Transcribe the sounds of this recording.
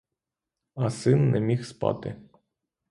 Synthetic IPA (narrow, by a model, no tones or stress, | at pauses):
asɨnːemʲixspa̰t̪e